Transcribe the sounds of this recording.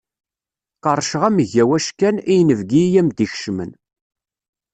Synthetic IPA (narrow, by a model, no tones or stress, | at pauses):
qəɾˤʃəʁæməʝæwæʃkænijnəvɡijæmd̪iç̥ʃmə̰n